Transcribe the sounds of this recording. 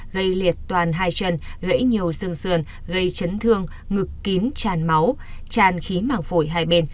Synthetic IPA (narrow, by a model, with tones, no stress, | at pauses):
ɣə˧jli˨˩ət̚t̪waː˨˩nɦaː˧jt͡ɕə˧˩nɣə̰˧˥jɲi˨˩əwzɨ˧əŋsɨ˧˩ən | ɣə˧jt͡ɕə˨˦nt̪ʰɨ˧əŋ | ŋɨ˨˩kːi˨˦nt͡ɕaː˧˩nma˨˦wt͡ɕaː˨˩nxi˨˦maː˧˩ŋfo˧˩jɦaː˧jɓe˧n